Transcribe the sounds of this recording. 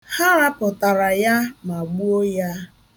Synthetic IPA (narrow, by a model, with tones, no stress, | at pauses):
ha˦ɾa˦pʊ˨ta˨ɾa˨ja˦ma˨ɡ͡bu˦o˦ja˦